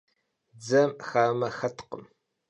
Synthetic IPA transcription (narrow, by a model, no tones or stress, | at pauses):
d͡zɐmxaːmɐxɐtʰqəm